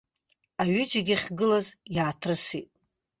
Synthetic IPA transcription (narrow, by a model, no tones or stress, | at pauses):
aɥɪd͡ʒaɡʲaχʲɡɨlazjaːtʰrɨsitʼ